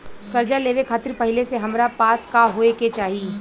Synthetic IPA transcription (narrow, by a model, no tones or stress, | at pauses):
kɐɾd͡ʒaleːʋekʰaːt̪ɪɾpɐɦɪleseɦɐmɾapaːskaɦoːeket͡ʃaːɦi